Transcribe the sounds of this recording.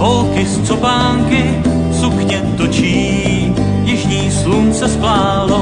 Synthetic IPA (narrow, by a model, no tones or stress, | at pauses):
olkɪst͡sopaːŋkɪ | sukɲɛt̪ot͡ʃiː | jɪʒɲiːslunsɛsplaːlo